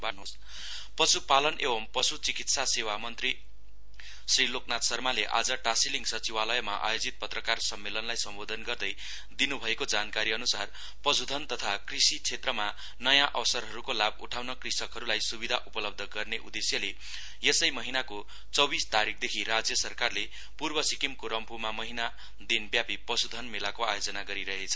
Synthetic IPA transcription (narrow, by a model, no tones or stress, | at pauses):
banos | pʌsupalʌnʔebʌmpʌsut͡sikit̪sasewamʌnt̪ri | sriloknat̪sʌrmaleʔa̰d͡zʌʈasiliŋɡsʌt͡siwalʌjʌma̰ʔa̰jod͡zit̪̚pʌt̪rʌkarsʌmːelʌnlajsʌmbod̪ʱʌnɡʌrd̪ʌj | d̪inubʱʌekod͡zankaɾiʌnusar | pʌsud̪ʱʌnt̪ʌt̪ʰakrisit͡sʰet̪rʌma | nʌjãʔʌsʌrɦʌɾukolab̚ṵʈʰawnʌkrisʌkɦʌɾulajsubid̪ʱaʔupʌlʌb̚d̪ʱʌɡʌrneʔṵd̪esjʌle | jesʌjmʌɦinako | t͡sʌbist̪aɾik̚ʰd̪ekʰiɾad͡zjʌsʌrkarle | purbʌsikimkoɾʌmpʰumamʌɦina | d̪inbjapipʌsud̪ʱʌnmelakoajod͡zʌnaɡʌɾiɾʌɦet͡sʰʌ̥